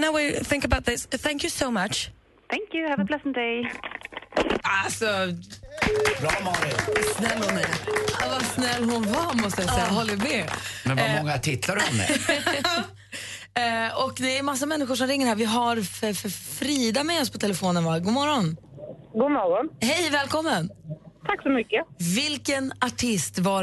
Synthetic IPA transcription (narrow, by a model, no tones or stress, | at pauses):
naʊwɪθɪ̃ŋkəbaʊt̪̚ðɪsθæ̃ŋkjʉsoʊmat͡ʃ | θæŋkjʉhɛvəpʰlɛsənt̪ɛɪ | alsɔ | bɾɑːmɑɾɪsnɛlːhʊnmɛvasnɛlːɦʊnvamɔst̪əjaɛjːaɦɔlːəmɛmɛnvamɔŋːat̪ʰɪt̪ʰːlaɾɔmɛ̰ | ɔkd̪ɛːɾmas̬ːamɛnːɪɧʊʂɔmɾɪŋːəɾhæːɾvɪɦaɾfœɾfœɾfɾiːd̪amɛɔspʰɔt̪ʰɛlɛfoːnənvaɡuːmɔɾɔn | ɡuːmɔɾɔnhɛjvɛːlkʰɔmːənt̪ʰaksɔmʏkːəvɪlkənaʈʰɪst̪va